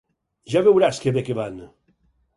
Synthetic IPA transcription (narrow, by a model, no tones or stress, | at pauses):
ʒaβewɾaskeβekeβan